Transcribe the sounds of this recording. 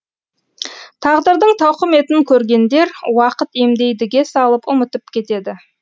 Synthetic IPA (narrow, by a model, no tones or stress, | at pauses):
t̪ʰɑʁd̪əɾd̪əɴt̪ʰɑwqəme̞t̪ɪŋkʲʰɵɾɡʲe̞nd̪e̞ɾwɑqət̪e̞md̪e̞jd̪ɪɡʲe̞sɑlˠəpʊmət̪əpkʲʰe̞t̪e̞d̪ɪ